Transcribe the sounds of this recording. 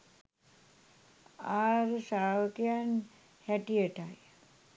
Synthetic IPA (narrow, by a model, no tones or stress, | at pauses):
aːɾəsaːʋəkejan | hɛʈiəʈaj